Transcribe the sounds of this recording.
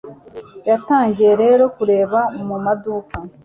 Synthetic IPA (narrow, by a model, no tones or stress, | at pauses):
jataːŋɟije̞ɾe̞ːɾo̞kuɾe̞ːβaomumaduːka